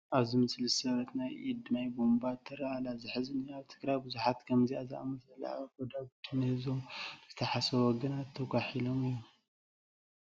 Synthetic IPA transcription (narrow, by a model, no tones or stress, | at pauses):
ʔaβzɨmɨslisɐβɐt̪najʔid̪najbombat̪ʰːɐɾaʔalazɨħɨzɨniaβt̪ʰɨ̥kɾajbɨzuħat̪kʰɐmziaza̰ʔmɐɐlːa̰a̰ɡod̪aɡut̪ʰːɨnɨhɨzomzɨt̪ʰɐħasɐwɔɡɐnat̪ʰːɐɡʷʼaħilomijom